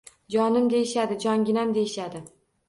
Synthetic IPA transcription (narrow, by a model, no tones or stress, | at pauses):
d͡ʒɒnɪmd̪e̞jɪʃad̪ɪd͡ʒɒŋɡʲɪnamd̪e̞jɪʃad̪ɪ